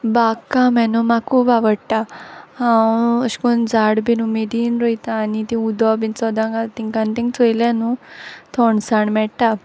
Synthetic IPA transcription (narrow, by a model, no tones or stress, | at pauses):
bakamɛnumakʰupaʋəɽʈahãwəɕkund͡zaɽbinumed̪iːnɾojt̪aːnit̪ĩud̪ɔbint͡sɔd̪ãŋɡat̪iŋkãnt̪ĩŋt͡sojlanut̪ʰɔɳsaɳmɛɽʈ̪a